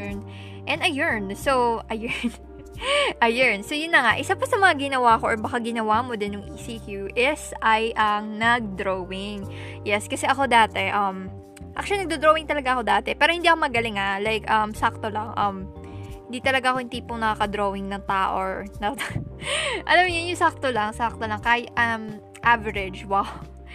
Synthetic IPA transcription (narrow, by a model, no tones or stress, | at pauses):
n | ʔɛnɐjɛɹnsowʔɐjɛɹn | ʔɐjɛɹnsojʊnːɐŋaʔɪsapɐsɐmɐŋaɡɪnɐwakoʔoɹbɐkaɡɪnɐwamod̪ɪnjʊŋʔiːsiːkjuʔɪsɐjʔɐŋnɐɡ̚d̪ɾowɪŋ | jɛskɐsɛʔɐko̞d̪aːt̪ɛʔɐm | ʔa̰k̚ʃolinɐɡ̚d̪od̪ɾoːwɪŋt̪ɐlɐɡaʔɐko̞d̪aːt̪ɛpɛːɾohɪnd̪iːɐkomɐɡɐlɪŋalajkʔɐmsak̚t̪olɐŋʔɐm | hɪnd̪iːt̪ɐlɐɡaʔɐkoɪnt̪iːpoŋnɐkakɐd̪ɾowɪŋnɐŋt̪aːʔoɹnɐ | ʔɐ̰lamɲʊnjʊŋsak̚t̪olɐŋsak̚t̪olɐŋkaːjʔɐm | ʔavɛɾɛd͡ʒwaw